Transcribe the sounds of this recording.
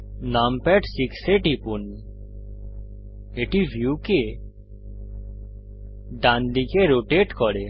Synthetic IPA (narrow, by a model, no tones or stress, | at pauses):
nampɛʈsikseʈipun | eʈibʱjuke | ɖãnd̪ikeɾoʈeʈkɔɾe